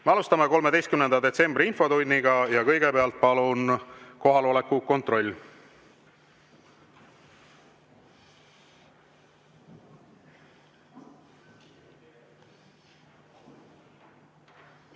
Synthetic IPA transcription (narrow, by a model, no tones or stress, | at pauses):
meɑlust̪ɑme̞ko̞lmee̞jst̪kymne̞nd̪̥ɑd̪e̞t̪se̞mbriinfo̞t̪unʲːiɡ̥ɑjɑkɤ̞jɡe̞peɑlt̪̚ˑpɑlunko̞ɦɑlo̞lekːuko̞nt̪ro̞lʲː